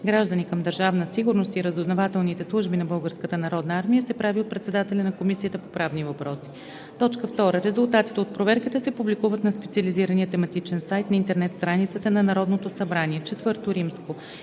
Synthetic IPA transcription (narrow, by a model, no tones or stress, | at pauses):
ɡɾaʒd̪ənikəmd̪əɾʒavnəsiɡʊɾnost̪iɾəzʊznovat̪ɛlˠnit̪ɛslˠuʒbinɐbɤlˠɡəɾskət̪ənɐɾɔd̪nəaɾmijəsɛpɾaviot̪̚pɾɛt̪sɛd̪at̪ɛlʲɐnɐkomisijət̪əpopɾavnivɐpɾɔsi̥ | t̪ɔt͡ʃkəft̪ɔɾəɾɛzʊlˠt̪at̪i̥t̪ɛot̪̚pɾovɛɾkit̪ɛsɛpublikuvət̪nɐspɛt̪siɐliziɾəniət̪ɛmɐt̪it͡ʃɛnsajt̪nɐint̪ɛɾnɛt̪st̪ɾanit̪sət̪ənɐnɐɾɔd̪not̪osɐbɾaniɛt͡ʃɛt̪vɤɾt̪oɾimsko